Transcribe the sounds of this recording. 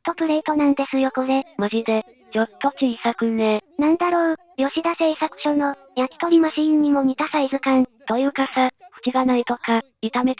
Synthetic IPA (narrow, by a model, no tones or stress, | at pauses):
t̪o̞pɯ̟ɾeit̪o̞nãnd̪e̞sɨjokonemaʑid̪e̞ | jot̪ːo̞kʲiisakɯ̟nenãnd̪aɾo̞ː | jo̞ɕid̪ase̞isakɯ̥ɕono̞ | jakʲi̥t̪o̞ɾʲimaɕĩːɲ̟ːimo̞ɲ̟it̪asaizɨkãnt̪o̞jɯ̟ːkasaɸɯ̟̥kʲiɡanait̪o̞ka | it̪ame̞t̪